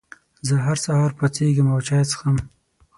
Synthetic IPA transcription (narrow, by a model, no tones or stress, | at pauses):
zəɦaɾsahɑɾpat͡seɡimawt͡ʃɑjt͡sə̥xam